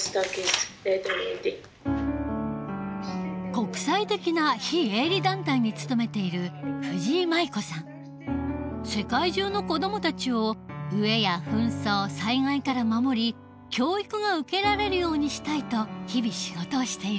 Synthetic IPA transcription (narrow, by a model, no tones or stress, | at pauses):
st̪akeset̪onet̪i | ko̞kɯ̟̥sait̪e̞kʲinaçieːɾʲid̪ãnt̪aiɲ̟it͡sɨ̥t̪o̞me̞t̪e̞iɾɯ̟ɸɯ̟ʑiːmaiko̞sãŋ | se̞kaiʑɨːno̞ko̞d̪o̞mo̞t̪at͡ɕio̞ɯ̟e̞jaɸɯ̟̃ɰ̃so̞ːsaiŋaikaɾamamo̞ɾʲi | kʲo̞ːikɯ̟ɡaɯ̟ke̞ɾaɾe̞ɾɯ̟jo̞ːɲ̟iɕi̥t̪ait̪o̞çibʲiɕiɡo̞t̪o̞ːɕi̥t̪e̞iɾɯ